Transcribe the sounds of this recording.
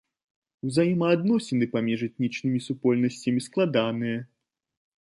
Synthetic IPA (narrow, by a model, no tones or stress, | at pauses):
wzajimɐːd̪nɔsʲɛnɨpamʲiʐɛt̪̚ʲnʲit͡ʂnɨmʲisupɔlʲnɐsʲt͡sʲɐmʲisklˠad̪anɨjɐ